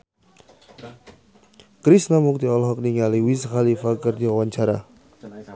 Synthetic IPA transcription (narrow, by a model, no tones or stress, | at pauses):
kɾisnamuk̚t̪iɔlɔɦɔk̚niŋaliwisəxalifakərd̪iwawaɲt͡ʃaɾa